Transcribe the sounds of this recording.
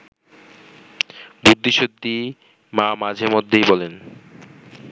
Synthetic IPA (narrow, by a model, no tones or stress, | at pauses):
bud̪ʱːiʃod̪ʱːi | mamad͡ʑʱemod̪ʱːejbɔlen